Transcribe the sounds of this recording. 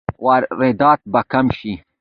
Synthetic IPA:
waːɾɾed̪aːt̪̚bɐkɐmʃi

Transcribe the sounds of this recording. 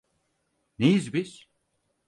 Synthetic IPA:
nejizbiz̥

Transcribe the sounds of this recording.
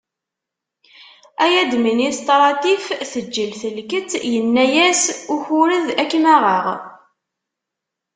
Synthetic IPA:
æjæd̪minist̪ˤɾˤɑt̪ifθəd͡ʒːəlθəlkət͡sjənːæjæsʊçuɾəðækːmæʁəʁ

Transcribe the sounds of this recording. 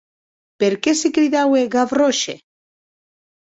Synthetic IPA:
peɾkesekɾiðaweɣaβroʃḛ

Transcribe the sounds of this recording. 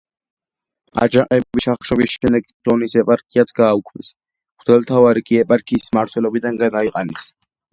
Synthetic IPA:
a̰d͡ʒaqʼɛbiʃaχʃɔbisʃɛnd̪ɛkz̥ɔnisɛpʼaɾkʰiat̪sʰɡaːukʰmɛsʰʼ | d̪ɛlt̪ʰavaɾikʼiɛpʼaɾkʰiːsmaɾt̪ʰwɛlɔbid̪aŋɡad̪aiqʼanɛs

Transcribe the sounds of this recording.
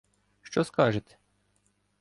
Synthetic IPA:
ʃt͡ʃɔskɑʒɪt̪ʲ

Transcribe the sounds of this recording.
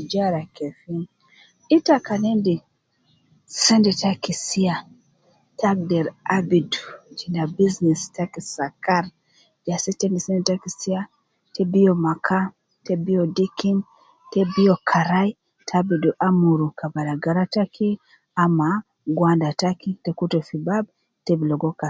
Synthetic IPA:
d͡ʒaɾakɛfin | itakanɛndi | sɛndɛtakisia | tʰaɡ̚dɛɾabidud͡ʒinabiznɛstakisakaɾ | d͡ʒasitɛndisɛndɛtakisia | tɛbiɔmakʰa | tɛbiɔdikin | tɛbiɔkʰaɾai | tʰabiduʔamuɾukabalaɡaɾatakʰi | ama | ɡwandatakitɛkutɔfibab̚ | tɛbilɔɡɔka

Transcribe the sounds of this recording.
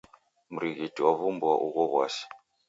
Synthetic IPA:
muɾiɣitʼiwaβumbuwaʔuɣɔɣwa̰si̥

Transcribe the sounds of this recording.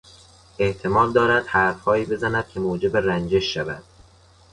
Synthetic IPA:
ʔe̞ht̪ʰe̞mɒːld̪ɒːɾæd̪̥hæɾfhɒːiːbe̞zænæd̪̥̚kʲʰe̞moːd͡ʒe̞berænd͡ʒe̞ʃːævæ̰d̪̥

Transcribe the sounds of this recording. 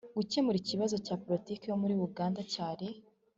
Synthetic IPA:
ɡ̥uce̞muɾiciβazo̞caːpoɾitiːkejo̞muɾiβuɡaːndacaːɾe̞

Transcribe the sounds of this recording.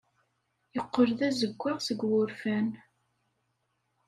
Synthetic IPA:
jəqːəɾðæzəɡʷːæʁsəɡwʊɾfæn

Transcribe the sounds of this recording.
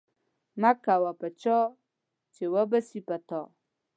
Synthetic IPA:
mãkawapɛt͡ʃɔ | t͡ʃewɔbɛsipɛt̪ɔ

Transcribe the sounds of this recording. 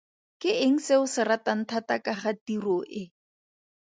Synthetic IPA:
kɪɪŋ̩seʊsɪɾatan̩tʰatakaχatirɔʔɪ

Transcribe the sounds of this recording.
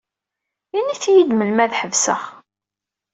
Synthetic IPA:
iniθjid̪məlmæðħəvsə̰ʁ

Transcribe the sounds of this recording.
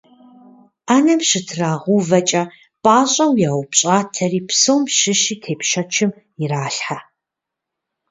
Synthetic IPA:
aːnɐmɕɪtʰraːʁʷuːvɐt͡ʃʼɐ | pʼaːɕʼɐwjaːwpɕʼaːtʰɐriːpsoːmʃɪʃiːtʰeːpʃɐt͡ʃʰɪm | ɪraːɬħa

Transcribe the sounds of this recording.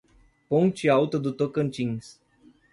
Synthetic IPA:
poŋt͡ʃiawt̪od̪ut̪okənt͡ʃiŋs

